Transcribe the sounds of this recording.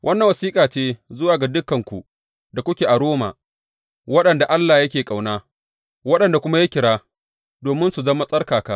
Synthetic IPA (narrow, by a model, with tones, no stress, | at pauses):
wʔɐ˦nːɐ˨ŋwɐ˨siː˦kʼaː˨t͡ʃeː˦zʊ˦waː˨ɡa˨dʊ˦kːɐ˨ŋkʷu˨ | da˨kʷʊ˦kʲeː˨ʔa˨ɽoː˦ma̰ː˨ | wɐ˦ɗɐ˨nda˨ʔa˦lːaː˨jɐ˦kʲeː˨kʼa˨wnaː˦ | wɐ˦ɗɐ˨nda˨kʷʊ˦ma˦ja˦kʲɪ˨ɽaː˦ | doː˨mɪ˦nsu˨zɐ˦ma˦sʼɐ˦rkaː˨kaː˦